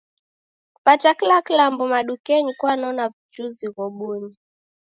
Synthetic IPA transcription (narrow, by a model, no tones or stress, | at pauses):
ku̥patakilakilambɔmaɗukɛɲikwanɔnavut͡ʃuziɣɔɓuɲi